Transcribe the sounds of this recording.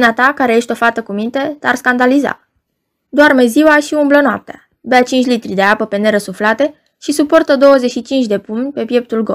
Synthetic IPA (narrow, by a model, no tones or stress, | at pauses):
nat̪akaɾeje̞ʃʲt̪ʲo̞fat̪əkumint̪e̞t̪earskand̪aliza̰ | d̪oarme̞ziwaʃiumblənoa̰p̚t̪ea | beat͡ʃint͡ʃʲlit̪ɾʲid̪e̞apəpe̞ne̞ɾəsuflat̪e̞ | ʃisupo̞rt̪əd̪o̞wəze̞ʃit͡ʃint͡ʃʲd̪e̞pumʲpe̞pje̞p̚t̪ulɡo